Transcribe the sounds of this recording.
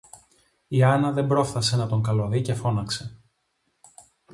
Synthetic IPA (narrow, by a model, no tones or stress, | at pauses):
iɐnɐðe̞mbɾo̞fθɐse̞nɐt̪o̞ŋkɐloðice̞fo̞nɐkse̞